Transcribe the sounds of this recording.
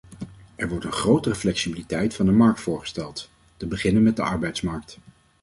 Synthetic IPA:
ʔɛɹʋɔɹtənχrowtərəflɛksibilitɛjtfɑndəmɑɹk̚tfʊːɹχə̥stɛlˠt | təbəχɪnənmɛt̚dəɑɹbɛjtsmɑɹk̚t

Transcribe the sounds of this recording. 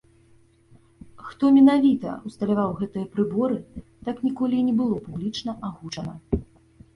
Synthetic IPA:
xt̪ɔmʲɛnavʲit̪ɐ̰ust̪ɐlʲavawɣɛt̪ɨjɐpɾɨbɔɾɨt̪aknʲikɔlʲinʲɛbɨlˠɔpublʲit͡ʂnɐʔaɣut͡ʂɐnɐ

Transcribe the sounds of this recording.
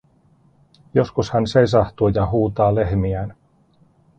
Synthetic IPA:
jo̞skushænse̞js̬ɑht̪uːjɑɦuːt̪ɑːle̞ɦmiæːn

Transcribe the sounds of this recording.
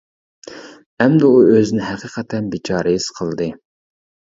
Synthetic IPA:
ɛmd̪ɛuøzɪnɪɦæqʰiːqʰɛt̪ʰɛnbit͡ʃʰɑːɾɨjɪz̥qʰəlˠd̪ɨ

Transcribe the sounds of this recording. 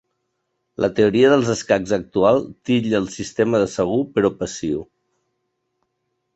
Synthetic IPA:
lʔə̰t̪əuɾiəðəlˠzəskaɡzək̚t̪ualˠt̪iʎəlˠsist̪eməðəsəɣ̞upəɾɔpəsiu

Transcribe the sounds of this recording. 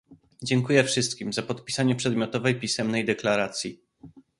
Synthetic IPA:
d͡ʑɛŋkujɛfʂɘst̪kʲimzapɔt̪pʲi̥saɲɛpʂɛd̪mʲjɔt̪ɔvɛjpʲisɛmnɛjd̪ɛklaɾat̪sʲji

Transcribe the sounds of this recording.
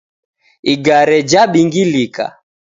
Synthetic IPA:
iɡaɾɛd͡ʒaɓiŋɡilika̰

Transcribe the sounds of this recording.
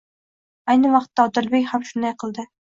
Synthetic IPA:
ajnɪvɑqt̪ːaɒd̪ɪlbekʲhamʃʊnd̪ajqʰɨlˠd̪ɪ

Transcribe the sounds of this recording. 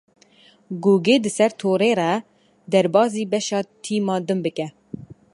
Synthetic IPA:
ɡuːɡeːd̪ɨsɛɾt̪ʰoːɾeːɾɛ | d̪ɛɾbɑːziːbɛʃɑːt̪ʰiːmɑːd̪ɨmbɨkɛ

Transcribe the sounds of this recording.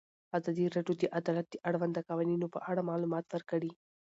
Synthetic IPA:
azɑd̪iɾaɖjod̪əʔad̪ɑlat̪̚d̪əʔaɽwand̪əkɑwɑninopə̰ʔaɽamɑlumɑt̪wəɾkəɽi

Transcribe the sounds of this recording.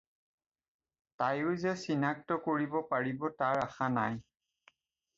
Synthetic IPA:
tajʊzɛsinak̚tɔkoɹibɔpaɹibɔtaɹaxanaj

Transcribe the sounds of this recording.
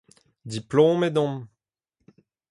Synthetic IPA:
d̪iplõmed̪ɔ̃m

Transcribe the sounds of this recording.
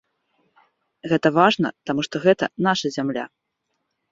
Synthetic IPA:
ɣɛt̪ɐvaʐnɐ̰t̪amuʂt̪ɔɣɛt̪ɐ̰naʂɐzʲamlʲa̰

